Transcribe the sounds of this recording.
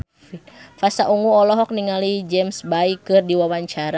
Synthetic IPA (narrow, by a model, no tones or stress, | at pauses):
ifasaʔuŋuɔlɔɦɔk̚niŋalid͡ʒɛmsbaikɨrdiwawaɲt͡ʃaɾa